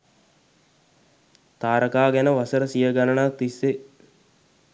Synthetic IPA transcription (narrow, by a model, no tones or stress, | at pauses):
t̪aːɾəkaːɡænəʋasəɾəsijəɡanənat̪isːe